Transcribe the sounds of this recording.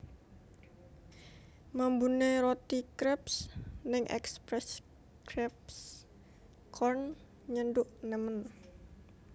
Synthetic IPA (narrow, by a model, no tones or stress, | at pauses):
mambuneɾot̪ikɾɛpsnɪŋʔɛ̰kspɾɛs | kɾɛps | kʰɔrn | ɲənɖʊʔnɛmən